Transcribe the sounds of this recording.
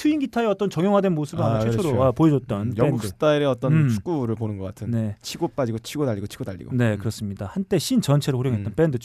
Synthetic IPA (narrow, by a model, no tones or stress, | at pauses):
tʰɯinɡitʰaeʌt͈ʌnt͡ɕʌŋjʌŋɦadwenmosʰɯbɯaeoɾoapoed͡ʑʌt̚t͈ʌnjʌenɡdksɯ̥t͈aiɾeʌt͈ʌnt͡ɕʰu̥k͈uɾɯɭponɯnɡʌk͈atʰɯnne̞t͡ɕʰiɡop͈ad͡ʑiɡot͡ɕʰiɡodaʎːiɡot͡ɕʰi̥ɡ̥odaʎːḭɡo̰ne̞kɯɾʌs͈ɯmɲidahant͈e̞ɕʰint͡ɕʌnt͡ɕʰe̞ɾɯɸoɾjoŋɦe̞t͈ʌnp͈endɯt͡ɕʰ